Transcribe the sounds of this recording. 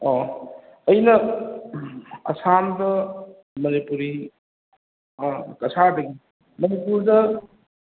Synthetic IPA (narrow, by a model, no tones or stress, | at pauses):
ɔ | ɐjnɐ | ɐ̰samdɐ | mɐnipuɾi | kɐsʰadɐɡi | mɐnipuɾdɐ